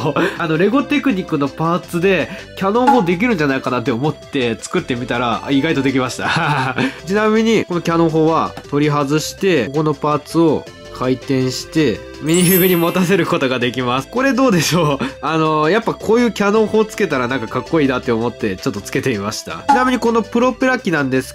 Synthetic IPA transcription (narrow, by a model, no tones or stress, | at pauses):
ano̞ɾe̞ɡo̞t̪e̞kɯ̟ɲ̟ikːɯ̟no̞paːt͡sɨd̪e̞kʲano̞ːɦoːd̪e̞k̬ʲiɾɯ̟nɲ̟d͡ʑanaikanat̪ːe̞omo̞t̪ːe̞t͡sɨ̥kɯ̟t̪ːe̞mʲit̪aɾa̰iɡait̪o̞d̪e̞kʲimaɕi̥t̪a | t͡ɕinamʲiɲ̟ikono̞kʲano̞ːɦo̞ːβat̪o̞ɾʲiɦazɨɕi̥t̪e̞ko̞no̞paːt͡sɨo̞ | kʰait̪ẽ̞ɰ̃ɕi̥t̪e̞ | mʲiɲiɦɯɡɯ̟ɲ̟imot̪as̬e̞ɾɯ̟ko̞t̪o̞ɡad̪e̞kʲimasɨ̥ko̞ɾe̞d̪o̞ːd̪e̞ɕo̞ːano̞japːakʰo̞ːjɯ̟ːkʲano̞ːho̞ːt͡sɨ̥ke̞t̪aɾanãŋkakakːoiːd̪at̪ːe̞omo̞t̪ːe̞t͡ɕo̞t̪ːo̞t͡sɨ̥ke̞t̪e̞imaɕi̥t̪a̰t͡ɕinamʲiɲ̟iko̞no̞pɯ̟ɾo̞pɯɾakʲːinãnd̪e̞sɨ̥